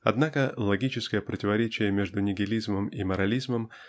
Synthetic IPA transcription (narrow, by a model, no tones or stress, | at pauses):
ɐ̰d̪nakəlˠɐɡʲit͡ɕɪskəjəpɾətʲɪvɐɾʲet͡ɕɪjəmʲeʐd̪ʊnʲɪɡʲɪlʲizməmimɐɾɐlʲizməm